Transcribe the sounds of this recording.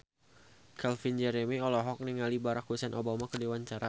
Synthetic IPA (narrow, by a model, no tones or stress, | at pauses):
kalfind͡ʒɛɾɛmiɔlɔɦɔk̚niŋalibaɾak̚husɛnʔobamakədewaɲt͡ʃaɾa